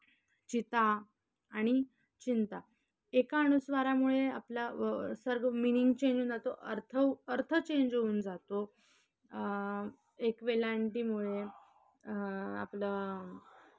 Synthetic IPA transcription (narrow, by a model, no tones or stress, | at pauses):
t͡ɕit̪aː | ɽ̃i | t͡ɕint̪a | ekaɽ̃usʋaɾamuɭeapljasəɾɡminiŋɡt͡ɕeɲd͡ʑuːnd͡zat̪oʔəɾt̪ʰəəɾt̪ʰət͡ɕeɲd͡ʑɦouːnd͡zat̪o | ekʋelaɳʈimuɭe | a̰plə